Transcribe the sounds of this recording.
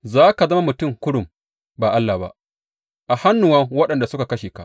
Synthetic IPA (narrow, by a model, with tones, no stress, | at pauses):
zaː˦ka˨zɐ˦ma˦mʊ˨tʊ˦˨ŋkʷʊ˦ɽʊ˨m | baː˨ʔa˦lːaː˨ba̰˦ʔ | ʔa˨ha˦nːʊ˨wɐ˦ŋwɐ˦ɗɐ˨nda˨sʊ˦ka˨kɐ˦ʃeː˨ka˦˨